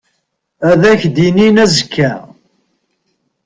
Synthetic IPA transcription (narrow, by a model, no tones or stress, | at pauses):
æðæçd̪ininæzəkʰːæ